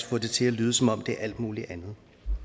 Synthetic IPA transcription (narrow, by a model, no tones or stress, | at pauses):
fɔ̽d̥e̝t͡sʰe̝lælyːð̞ˠsɒ̽mɒ̽m̰d̥e̝æɐʔæl̰d̥muːliʔænð̞̩ˠ